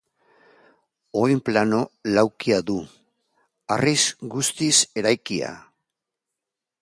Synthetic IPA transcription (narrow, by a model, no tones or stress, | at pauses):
o̞jmplano̞lawkiaðu | arisɡust̪ise̞ɾajkia̰